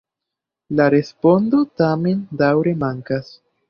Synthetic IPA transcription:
laɾe̞spo̞ndo̞tame̞ndawɾe̞maŋkas

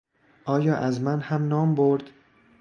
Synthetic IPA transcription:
ʔɒːjɒːʔæzmænhæmnɒːmboɾd̪̥

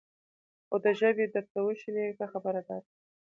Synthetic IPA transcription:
xod̪əʒəbed̪əɾt̪awəʃilekaxabəɾad̪ɑɾ

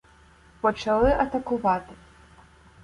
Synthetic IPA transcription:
pɔt͡ʃɐlˠɨʔɐt̪ɐkʊvat̪ɨ̥

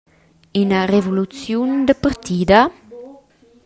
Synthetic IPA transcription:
ynarevolut͡sjund̪əpəɾt̪id̪a

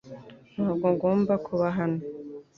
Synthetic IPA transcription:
naɡoŋɡoːmbakʰuβaɦano

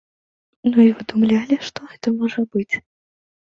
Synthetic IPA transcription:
nuivɨd̪umlʲalʲiʂt̪ɔɛt̪ɐmɔʐɐbɨt͡sʲ

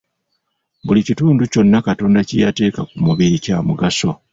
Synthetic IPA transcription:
bulicituːnduco̞nːakato̞ːndacijate̞ːkakumuβiɾicaːmuɡaso̞

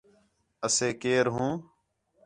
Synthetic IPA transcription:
əseːkeːɾɦũː

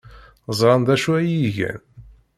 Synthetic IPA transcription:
zˤɾˤɑnd̪æʃuæjiʝæ̰n

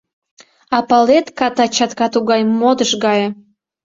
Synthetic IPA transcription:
ɑpɑlet̪kɑt̪ɑt͡ɕɑt̪kɑt̪uɡɑjmod̪əʃɡɑjɤ

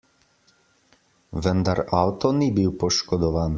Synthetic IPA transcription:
ʋənd̪aɾawt̪ɔnibiwpɔʃkɔd̪ɔʋaːn

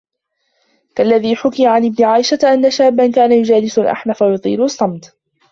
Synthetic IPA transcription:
kalːaðiːħʊkɪjaʕanʔɪbnɪʕaːʔɪʃat̪ʔanːaʃaːbːankaːnajʊd͡ʒaːlɪsalʔa̰ħmafajʊt̪ˤiːlʊɑsˤːɑmt̪

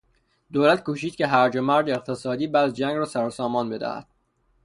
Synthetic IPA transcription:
d̪oːlæt̪kʰuːʃiːd̪̥̚cʰʲe̞ɦæɾd͡ʒomæɾd̪eeqt̪ʰesɒːd̪iːbæːd̪d͡ʒæŋɡɾɒːsæɾosɒːmɒːnbe̞d̪æ̰hæ̰d̪̥̚

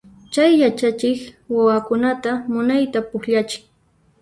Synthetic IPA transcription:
t͡ʃajːat͡ʃat͡ʃɪkwawakʊnat̪amʊnajt̪apʊhʎat͡ʃɪ̥ŋ

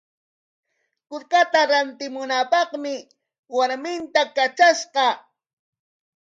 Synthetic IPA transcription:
kʊɾkat̪aɾant̪ɪmʊnapɑχmɪ | waɾmɪnt̪akat͡ʃaʃqɑ

